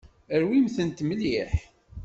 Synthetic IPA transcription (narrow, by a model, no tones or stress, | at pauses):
əɾwimθənt̪mliħ